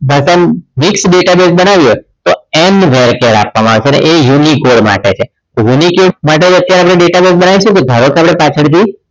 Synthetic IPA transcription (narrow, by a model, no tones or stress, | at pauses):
bʱasamɪksɖeʈabesbənaʋjo | t̪oenʋʱeɾkeɾa̰pʋamãaːʋet͡ʃʰeənḛʔejunikoɽma̰ʈet͡ʃʰe | junikomaʈ̬ed͡ʒət̪jaɾeapɽneɖeʈabesbənaʋiʃũk̪od̪ʱəɾokʰeapɽ̃epat͡ʃʰəɽt̪ʰi